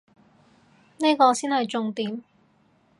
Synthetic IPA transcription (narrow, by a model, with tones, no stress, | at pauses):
neː˥kɔː˧siː˥nhɐ˨jt͡sʊ˧ŋt̪iː˨m